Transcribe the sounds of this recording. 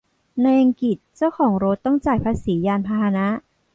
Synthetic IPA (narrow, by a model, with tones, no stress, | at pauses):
na˧jʔa˧ŋki˨˩t̪̚t͡ɕa˥˩wkʰɔː˩˦ŋɾo˦˥t̪ːɔ˥˩ŋt͡ɕaː˨˩jpʰaː˧siː˩˦jaː˧npʰaː˧haː˧na˦˥ʔ